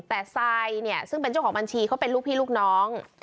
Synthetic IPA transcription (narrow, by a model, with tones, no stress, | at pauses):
t̪ɛː˨˩sa˧jni˥˩ɐsɯ˥˩ŋpe˧nt͡ɕa˥˩wkʰɔː˩˦ba˧nt͡ɕʰiː˧kʰa˨˦˥wpe˧nluː˥˩k̚pʰiː˥˩luː˥˩k̚nɔː˦˥ŋ